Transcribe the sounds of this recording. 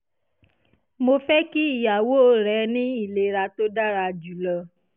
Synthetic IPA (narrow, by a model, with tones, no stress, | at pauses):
mo˧fɛ˦ki˦i˦˨ja˨wo˦ɾɛ˨˦nĩ˦i˦˨le˨ɾa˧to˦da˦˨ɾa˧d͡ʒu˨lɔ˧